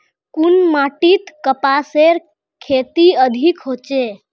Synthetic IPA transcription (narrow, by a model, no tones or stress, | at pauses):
kunmaʈit̪kəpaseɾ | kʰet̪iəd̪ʱikɦoːt͡ʃe